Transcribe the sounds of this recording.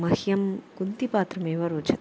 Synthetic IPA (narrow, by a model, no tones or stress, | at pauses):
mɐhjɐmkund̪ipaːt̪ɾɐmeːʋɐɾoːt͡ʃɐt̪